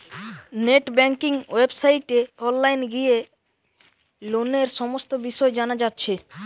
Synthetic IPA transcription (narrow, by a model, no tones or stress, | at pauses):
neʈbɛŋkiŋwebsajʈeɔnlajnɡije | loneɾʃɔmost̪obiʃɔed͡ʑanad͡ʑatːɕʰe